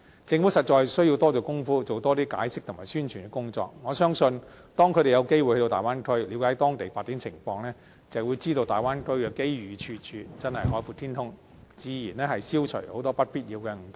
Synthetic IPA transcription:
t͡sɪ˧ŋfu˨˥sɐ˨t̚t͡ʃɔː˧jsɵ˥ɥji˧wt̪ɔː˥t͡so˨wkʊ˥ŋfuː˥t͡so˨wt̪ɔː˥t̪iː˥ka̰ː˨˧˥jsɪ˥k̚t̪ʰmaː˨˩jsyː˥nt͡ʃʰyː˨˩kɛ˧˥kʊ˥ŋt͡sɔ̰ː˧k̚ŋɔː˨˧sœː˥ŋsɵ˧n | t̪ɔː˥ŋkʰɾe˨jɐ˨˧wke˥jwu˨jhɵ˧˥t̪o˧t̪aː˨jwaː˥nkʰɵ˥ɥliː˨˧wkaː˨˥jt̪ɔː˥ŋt̪e˨jfaː˧t̚t͡siː˨˥nt͡sʰɪ̰˨˩ŋfɔː˧ŋlɛː˥ | t͡sɐ˨˩wuː˨˧jt͡siː˥t̪o˧wt̪a̰ː˨jwaː˥nkʰɵ˥ɥkɛ˧ke˥jɥyː˨˧t͡ʃʰyː˧t͡ʃʰyː˨˧t͡sɐ˥nhɐ˨jɦɔː˨˥jfu˨˧t̪ʰiː˥nt̪ʰʊ˥ŋ | t͡siː˨˧jiː˨˩nlɛː˥hɐ˨jsiː˥wt͡ʃʰɵ̰˨˩ho˨˥wt̪ɔː˥pɐ˥t̚piː˥t̚ji˨˧wkɛː˧ŋ̩˨˩t̪

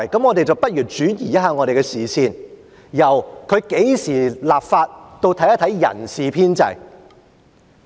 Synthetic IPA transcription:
jkɐ˨˥mŋɔː˨˧t̪e˨jt͡sɐ˨wpɐ˥t̚jyː˨˩t̚t͡ʃyː˨˥jiː˨˩jɐ˥thaː˧ŋɔ˨˧ɾe˨jkɛ˧siː˨˩siː˧n | jɐ˨˩wkʰɵ˨˧ɥke˨˥jsiː˨˩laː˨p̚faː˧t̚t̪o˧wt̪ʰɐ˨˥jɐ˥t̪ʰɐ˨˥jjɐ̰˨˩nsiː˨pʰiː˥nt͡sɐ̰˧j

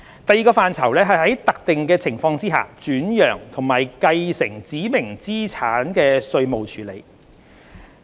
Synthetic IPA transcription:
t̪ɐ˨˧jiː˨kɔː˧faː˨nt͡sʰɐ˨˩wlɛː˥ɦɐ˨jɦɐ˨˥jt̪ɐ˨k̚t̪ɪ˨ŋkɛː˧t͡sʰɪ˨˩ŋfɔː˧ŋt͡siː˥a̰ː˨t͡ʃyː˨˥njœː˨˩ŋt̪ʰʊ˨˩ŋmaː˨˩jkɐ˧jsɪ˨˩ŋt͡siː˨˥mɪ˨˩ŋt͡siː˥t͡sʰaː˨˥nkɛː˧sɵ˧ɥmo˨wt͡ʃʰyː˨˩lḛ˨˩j

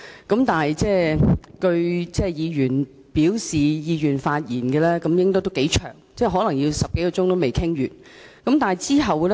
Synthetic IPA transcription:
kɐ˨˥mt̪aː˨˩nɐ˨˩jt͡sɛː˥˩kɵ˧ɥt͡sɛː˥˩jiː˨˧jyː˨˩n | piː˨˥wsiː˨jiː˨˧jyː˨˩nfaː˧t̚jiː˨˩nkɛː˧lɛː˥kɐ˨˥mjɪ˥ŋt̪ɔː˥t̪o˥wke˨˥jt͡ʃʰœː˨˩ŋt͡sɛː˥˩ɦɔː˨˥lɐ˨˩ŋjiː˧wsɐ˨p̚ke˨˥kɔː˧t͡sʊ˥ŋt̪o˥wme˨jkʰɪ˥ŋɥyː˨t̚ | kɐ˨˦mt̪aː˨n˨˩jt͡siː˥ɦɐ˨wlɛ˥

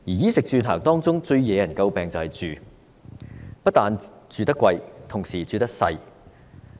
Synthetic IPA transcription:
jiː˨˩jiː˥sɪ˨k̚t͡ʃyː˧nt̪ʰœː˨˩ŋt̪ɔː˥ŋt͡sʊ˥ŋt͡sɵ˧ɥjɛ˨˧jɐ˨˩nkɐ˧wpɛː˨ŋt͡sɐ˨whɐ˨˩jt͡ʃyː˨ | pɐ˥t̚t̪aː˨˧nt͡ʃyː˨˧t̪ɐ˥kʷːwɐ˧jt̪ʰʊ˨˩ŋsiː˨˩t͡ʃyː˨t̪ɐ˥k̚sɐ̰˧j

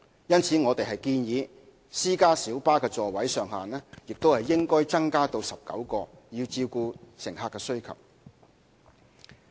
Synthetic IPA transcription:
jɐ˥nt͡sʰiː˨˥ŋɔː˨˧t̪e˨jɦɐ˨jkiː˧njiː˨˧ | siː˥kaː˥siː˨˥wpaː˥kɛː˧t͡sɔː˨˩wɐ˨˥jsœː˨ŋɦaː˨nɛː˥jɪ˨k̚t̪o˥whɐ˨jːɪ˥ŋkɔː˥jt͡sɐ˥ŋkaː˥t̪o˧wsɐ˨p̚kɐ̰˨˥wkɔː˧jiː˧wt͡siː˧wkuː˧sɪ̰˨˩ŋɦaː˧kːɛː˧sɵ˥ɥkʰɐ̰˨˩w̚

